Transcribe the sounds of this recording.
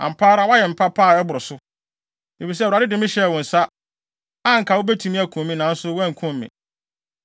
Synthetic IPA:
ã̰˨m̩˨pʰaː˦ɾa˨wa˦jɛ˨m̩˨pʰa˦pʰaː˦˨ɛ˦bʊ˨ɾʊ˨sʊ˦ | e˨fi˨s̬ɛ˦˨ɾa˨dɪ˦dɪ̃˨mɪ̃˦ɕɛ˦˨wʊ̃˨n̩˨sa˦ | a˦ŋ̩˨kʰa˨wʊ˦bæ˦tʰũ˨mĩ˦æ˨kʰũ˨mmːĩ˦nã˨n̩˦sʊ˦wɛ̃˦ŋ̩˨kʰʊ̃˦m̩ː˨ḭ̃˨

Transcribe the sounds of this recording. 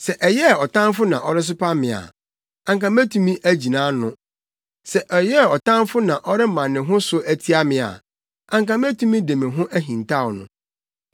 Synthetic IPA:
sɛ˨ʔɛ˨jɛ˦˨ɔ˨tã˦nfʊ˦nã̰˨ʔɔ˦ɾɪ˦s̬ʊ˦pʰa˦mɪ̃˨a̰˨ | ã˨ŋkã˨mæ˦tʰũ˦mĩ˦ʔæ˦d͡ʑi˨nã˨˦nʊ̃˦ | sɛ˨ʔɛ˨jɛ˦˨ɔ˨tã˦mfʊ˦nã˨ʔɔ˦ɾɪ˦mã˨nːɪ̃˨ɦʊ̃˦sʊ˦æ˦tʰi˦a˦mɪ̃˨a̰˨ | ã˨ŋkã˦mæ˦tʰũ˦mĩ˦de˨mɪ̃˨ɦʊ̃˦ʔæ˦ɦĩ˨ntʰa˦˨wɔ˨nʊ̰̃˨

